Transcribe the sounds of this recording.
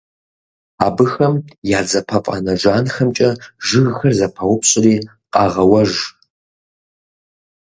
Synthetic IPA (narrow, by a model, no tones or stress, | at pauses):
aːbɨxɐmjaːd͡zɐpʰɐfʼa̰nɐʒʷaːnxɐmt͡ʃʼɐʒɨɣxɐrzɐpʰɐwʷʊpʰɕʼɪriː | qʼɑːʁɐwɐʒ